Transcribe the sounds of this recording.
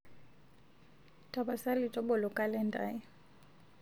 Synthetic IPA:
tʼa˨ba˨sa˦lɪ˨tʼɔ˦bɔ˨lɔ˨kʼa˦lɛ˦ndʼa̰˦ɪ˦

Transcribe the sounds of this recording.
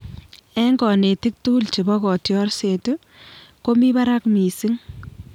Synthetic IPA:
ɛ˦ŋɡɔ˨ne˨ti˦k̚tuː˦lt͡ʃe˨bɔ˦kɔ˨tjɔ˦rse˨tu˦ | ko˦mi˦ba˦ɾa˦kmi˨si˦ŋ

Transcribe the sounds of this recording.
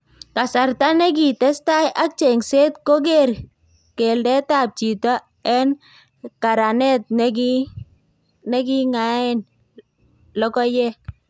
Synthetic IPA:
ka˨sa˨rta˦nɛ˦k̬i˨tɛ˦sta˦jʔa˦k̚t͡ʃe˨ŋse˦tko˦k̬e˦ɾ | ke˨ldɛ˦ta˨p̚t͡ʃi˨tɔ˦ | ɛ˦n | ka˨ɾa˨nɛ˦t̚nki˦ | nɛ˦ki˦ŋa˨˦ɪ˦n | lɔ˦kɔ˦jɛ˦

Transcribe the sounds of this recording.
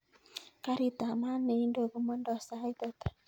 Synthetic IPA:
ka˦ɾi˦˨t̪a˨ma˦ne˨i˦ndo˨ku˨mɔ˦ndɔ˨sa˦i˦t̪ɔ˦t̪a˨

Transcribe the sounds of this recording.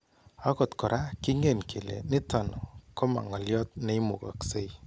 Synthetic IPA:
a˦kɔ˨tkɔ˨ɾʔa˦ki˦ŋe˨nkʰi˨lḛ˨nɪ˦tɔ˨n˨ko˦ma̰˨ŋɔ˨ljɔ˦t̚ne˦i˦mṵ˨ka̰˨kse˦j

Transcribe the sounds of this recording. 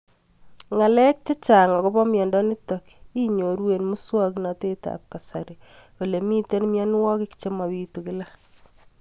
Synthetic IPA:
ŋa˨lɛ˦k̚t͡ʃe˦t͡ʃa˨ŋɔ˨ko˦bɔ˦mjɔ˨ndɔ˦ni˦tɔki˦ɲo˨ɾwe˨nmu˦swa˦kna˨te˦ta̰˨p̚ka˨sa˨ɾeo˨le˨mi˦te˦nmjɔ˦n˦wɔ˦ki˦kt͡ʃe˦ma˨wi˦tu˨ki˦la˦

